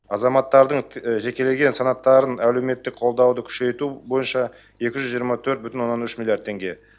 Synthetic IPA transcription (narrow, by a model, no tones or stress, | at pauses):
ɑzɑmɑt̪ːɑɾd̪əɴʒe̞kʲe̞le̞ɡʲe̞nsɑnɑt̪ːɑɾənæle̞me̞t̪ːɪk̚qʰo̞lˠd̪ɑwd̪əkʲʰʏ̥ʃe̞jt̪ubo̞jənʃɑ | je̞kʲɪʒʏzʒijəɾmɑt̪ʰɵɾt̪̚bʏt̪ɪnwo̞nːɑnʏʃmilʲˠjaɾd̪ʰe̞ŋɡʲe̞